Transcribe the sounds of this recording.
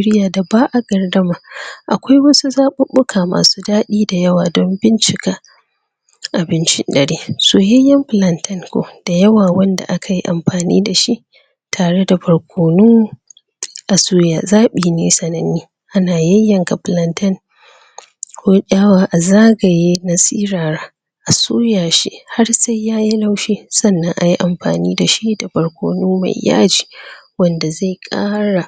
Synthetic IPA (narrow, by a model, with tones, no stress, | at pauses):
ɾɪ˦jaː˨da˨baː˦ʔa˨ɡɐ˨rdɐ˦maː˨ʔa˨kʷa˦jwɐ˦su˦zaː˦ɓʊ˦ɓʊ˦kʰaː˨ma̰ː˨suː˦daː˦ɗiː˦da˨jɐ˦waː˨dɔ˦mbɪ˦nt͡ʃɪ˨kaː˦ | ʔa˨bɪ˦nt͡ʃɪ̰˦ndɐ˨ɽiː˦soː˨jɐ˦jːɐ˦mɸlɐ˨ntɐ˦ŋkʷo̰˨d̥a˨jɐ˦waː˨wɐ˦nda̰˨ʔa˦kʰa˨ji˦ʔa̰˨mɸaː˨nḭː˦da˨ʃi˦ʔ | tʰaː˨ɽe˦da˨ɸɐ˨ɽkʷoː˨nʊ˦ŋ | ʔa˨suː˦jaː˨zaː˦ɓiː˨neː˦sɐ˨nɐ˨niː˦ | ʔa˦naː˨jɐ˦jːɐ˨ŋka˨ɸlɐ˦ntɐ˦ŋ | kʰʷoː˦ʔʲʼaː˦waː˦ʔa˨zaː˦ɡa˨jeː˦na˦siː˦ɽaː˨ɽaː˦ | ʔa˨suː˦jaː˨ʃḭ˦ʔha˦rsa˦jːaː˦ji˦la˦wʃiː˦sɐ˦˨nːɐ˦ŋʔa˨ji˦ʔa˨mɸa̰ː˨niː˦da˨ʃi˦da˨ɸɐ˨ɽkʷo̰ː˨nuː˦ma̰˨jja̰ː˦d͡ʒiː˨wɐ˦nda˨za˦˨jkʼa̰ː˦ɽa˨